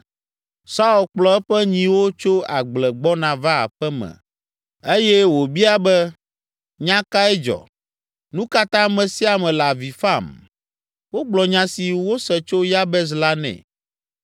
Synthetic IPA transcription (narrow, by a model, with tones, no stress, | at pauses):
sa˦u˨lk͡plɔ˨ɛ˦ɸɛ˦ɲĩ˨wo˦t͡ʃo˦a̰˨ɡ͡blɛ˨ɡ͡bɔ˦nã˨va̰˦˨ɸɛ˦mɛ̰̃˨ | e˦jɛ˦wo˨bi˦a˦bɛ˦ | ɲã˦ka˦ɛ˦d͡ʒɔ̰˨ | nũ˦ka˦t̪ã˦mɛ̃˨si˦a˨mɛ̃˨la˨vi˨fa˦˨m | wo˦ɡ͡blɔ˨ɲã˦si˨wo˦sɛ˨t͡ʃo˦ja˦bɛ˦z̬la˦nɛ̰̃˨